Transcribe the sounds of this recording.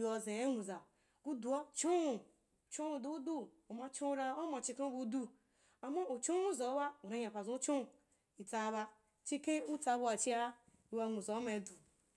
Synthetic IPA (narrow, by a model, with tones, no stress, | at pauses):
o˨ze˨e˦nũ˨za˨ | ku˦du˨o˦t͡ʃo˦u˨ | t͡ʃo˦u˨du˦du˦ | o˨ma˦t͡ʃo˦u˦ɾa˦o˦ma˨t͡ʃi˦kẽ˦bu˦du˦ | a˨ma˦o˨t͡ʃo˦nʷu˦za˨˦wa˦u˨ɾa˦ɲa˨kʷa˨zu˦t͡ʃo˦˨ | i˨ta˨˦˨βa˦ | t͡ʃi˦ke˦u˦ta˨˦bu˦a˨t͡ʃi˦a˦ | i˨wa˦˨nu˨zo˨˦ma˨du˨